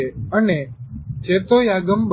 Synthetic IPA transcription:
eːəneːt͡ʃeːt̪oːjaːɡəmɓ

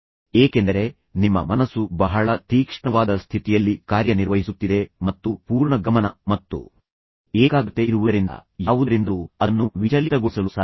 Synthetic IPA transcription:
eːkend̪ɐɾe̞ | nimːɐ̰mɐnɐsːubɐɦɐɭɐt̪iːkʂɳɐʋaːd̪ɐst̪ʰit̪ijɐlːikaːɾjɐniɾʋɐɦisut̪ːid̪e̞mɐt̪ːupuːɾɳɐɡɐmɐnɐmɐt̪ːṵ | eːɡaːɡɐt̪ːeiɾuʋuɐɾind̪ɐ̰jaːʋud̪ɐɾind̪uɐnːuʋit͡ʃɐlit̪ɐɡoɭsɐlusaː

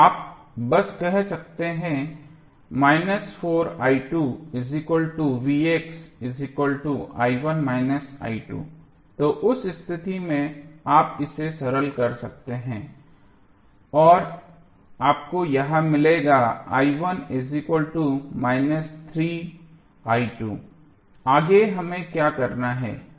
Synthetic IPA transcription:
aːp̚ | bɐskɛɦsɐk̚t̪eɦɛ̃ | maːɪnəsfoːɾaːɪʈuːɪzɪkəlʈuʋiːeksɪzɪkəlʈuʔa̰ːiʋənmaːɪnəsa̰ːiʈṵː | t̪oːʔʊsɪst̪ʰɪt̪imẽaːpɪsesɐɾəlkɐɾsɐk̚t̪eɦɛ̃ː | ɔːɾ | aːp̚kojɐɦãmɪleɡaa̰ːiʋənɪzɪkwəlʈumaːɪnəst̪ʰɾiː | aːiʈṵː | aːɡeɦɐmẽkjaːkɐɾnaɦɛ̰ː

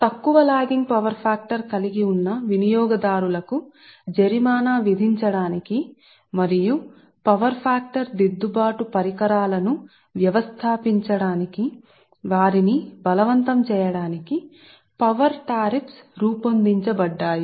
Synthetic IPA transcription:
t̪ɐkːuʋɐlaːɡiŋɡpɐʋɐɾpʰaːk̚ʈɐɾkɐliɡiunːɐʋinijɔːɡɐd̪aːɾulɐku | d͡ʒɐɾimaːnaːʋid̪ʱiɲt͡ʃɐɽaːniki | mɐɾiju | pɐʋɐɾpʰaːk̚ʈɐɾd̪id̪ːubaːʈupɐɾikɐɾaːlɐnu | ʋjɐʋɐst̪ʰaːpiɲt͡ʃɐɽaːniki | ʋaːɾinibɐlɐʋɐnt̪ɐmt͡ʃɛːjɐɽaːniki | pɐʋɐɾʈaːɾipsɾuːpond̪iɲt͡ʃɐbɐɖːaːji

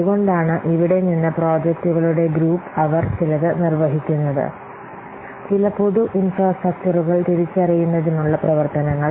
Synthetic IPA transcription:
uɣo̞ɳɖaːɳɨʔiʋiɽe̞ninːɐpro̞ːd͡ʑɐk̚tuɣɐɭuɽe̞ɡɾuːpːɐʋɐrt͡ɕilɐðɨnirʋɐɦikʲːunːɐðɨ̰ | t͡ɕilɐpoðuʔinfraːsʈrɐk̚t͡ɕɐruɣɐɭt̪iɾit͡ɕːɐrijunːɐðinuɭːɐprɐʋɐrt̪ɐnɐŋːɐɭ

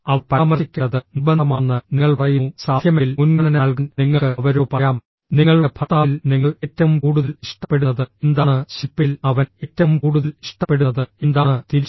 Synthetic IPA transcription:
ɐʋpɐːmɐrikʲːɐɐðɨnubɐnd̪ɐmaːnːɨniŋːɐɭprɐjusaːd̪ʱjɐmeilmunkɐnɐnaːɭkɨnniŋːɐkɨɐʋɐɾoːpɐɐjaːm | niŋːɐɭbʰʱɐt̪ːaːilniŋːɐɭetːɐʋumkuːɽuðɐliʂʈɐpːe̞ɽunːɐðɨend̪aːɳɨɕipːilɐʋɐnetːɐʋumkuːɽuðɐliʂʈɐpːe̞ɽuɐðɨind̪aːɳɨt̪iɾi

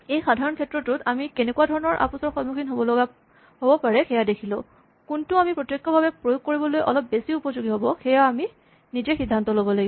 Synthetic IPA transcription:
ejxadʱaɹɔnkʰɛtɹɔtʊtamikenɛkuadʱɔɹɔnɔɹʔa̰pusɔɹxɔdmuxʰinɦobɔlɔɡa | ɦobɔpaɹɛxɛjadekʰilʊ̃ | kuntʊamipɹotjok̚kːɔbʱabɛpɹojoɡ̚koɹibɔlojʔɔ̰lɔp̚besiupɔzuɡiɦobɔxɛjaːmi | nizɛxidʱːantɔlobɔlaɡi

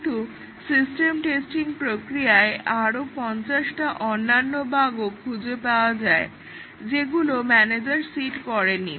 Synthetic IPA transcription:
ʈu | sisʈemʈesʈiŋpɾokɾijaeʔaɾopɔnt͡ɕaʃʈaʔonːanːobʱaɡokʰud͡ʑepaoad͡ʑae | d͡ʑeɡulomɛned͡ʑaɾsiʈkɔɾeni

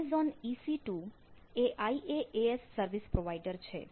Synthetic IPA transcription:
zɔnisiʈu | eʔʔaiʔeeesːəɾʋispɾoʋaiɖəɾt͡ʃʰḛ

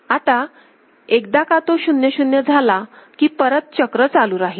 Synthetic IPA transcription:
at̪a | ek̚d̪akat̪oɕunjəɕunjəd͡zʱalakiːpəɾət̪̚t͡ɕəkɾət͡saluːɾaɦi

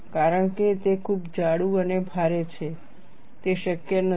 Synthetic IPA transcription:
kaɾəɳket̪ekʰubd͡ʒaɽũənebʱaɾet͡ʃʰe | t̪eʃəkjənə

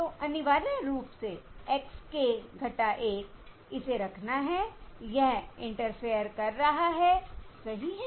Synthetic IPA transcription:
t̪oːʔɐnɪʋaːɾeɾuːpseɛkskeɡʱɐʈaʔeːk̚ | ɪseɾɐkʰnaɦɛjɛɦɪ̃ɳʈəɾfijəɾkɐɾːɐɦaɦɛːsɐɦiɦɛ

